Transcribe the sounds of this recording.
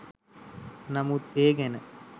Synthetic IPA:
nɐmut̪eːɡenə

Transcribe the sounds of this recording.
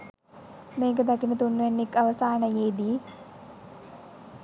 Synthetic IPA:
meːkəd̪akinət̪unːuʋenːekːɐʋəsaːnəjeːd̪iː

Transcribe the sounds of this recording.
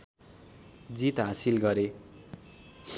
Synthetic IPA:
d͡zit̪ɦasilɡʌɾe

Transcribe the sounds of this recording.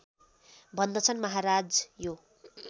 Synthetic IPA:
bʱʌnd̪ʌt͡sʰʌnmʌɦaɾad͡zjo

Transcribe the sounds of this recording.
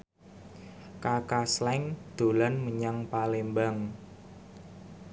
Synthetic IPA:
kakaslɛŋd̪̥o̤lanməɲaŋpalembaŋ

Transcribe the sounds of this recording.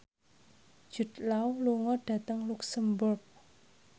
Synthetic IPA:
ʒ̥ṳt̪̚lauluŋɔɖ̥ä̤t̪əŋluksəmbʊrɡ̚

